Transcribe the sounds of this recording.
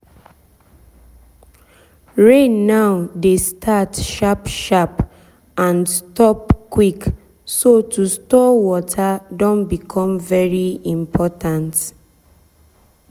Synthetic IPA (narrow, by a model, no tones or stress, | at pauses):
ɹenaʊdestʰatʃapʃap | ãnstɔpkwik | sotustɔwɔtʰadɔ̃nbikʰɔ̃mvɛɹiĩmpʰɔtãnt